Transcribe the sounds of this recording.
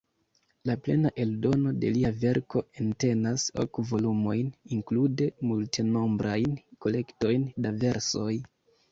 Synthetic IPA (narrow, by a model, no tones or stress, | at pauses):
laple̞̰naʔe̞ldo̞no̞de̞̰liave̞ɾko̞ente̞naso̞̰kvo̞lumo̞jniŋklude̞multeno̞mbɾʔajnko̞le̞kto̞jndave̞ɾso̞j